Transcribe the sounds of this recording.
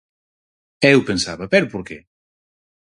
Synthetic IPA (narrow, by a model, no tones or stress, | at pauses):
ewpensaβɐpɛɾʊpoɾkɛ